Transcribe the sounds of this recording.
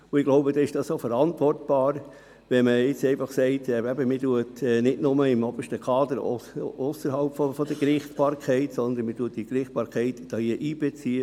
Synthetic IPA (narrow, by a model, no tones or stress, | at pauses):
ʊɪɡloʊbədɑːɪʃd̥ɑssoːfəɾɑntvɔrtb̥ɑːɾ | ʋɛməɪt͡sɛɪfɑχsɛɪtːɛbəmɪduətɛnɪdnʊməɪmɔb̥əʃtəkʰɑːd̪əɾo̰osəɾɦɑlpfɔfɔd̪əkɾɪχtb̥ɑːɾkʰɛɪtsɔnd̪ənmɪtuət̚d̥ikɾɪχt̚b̥ɑːɾkʰɛɪtd̥ɑːiəʔiːbɛt͡siːə